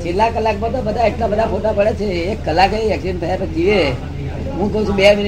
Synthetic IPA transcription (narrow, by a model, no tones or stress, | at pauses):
t͡ʃʰelːakəlːakmãt̪ɔ̃bəd̪ʱaeʈlabəd̪ʱapoʈapəɽet͡ʃʰeːkːəlːakeʋjəksint̪ʰəjapəd͡ʒiʋe | ɦũkəũt͡ʃʰubemin